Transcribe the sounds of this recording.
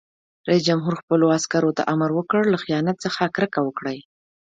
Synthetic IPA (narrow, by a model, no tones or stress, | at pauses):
ɾais̬d͡ʒamɦuɾxpəloaskaɾot̪a̰ʔamaɾwəkəɽlaxijɑnat̪t͡səxakɾəkawəkɽaj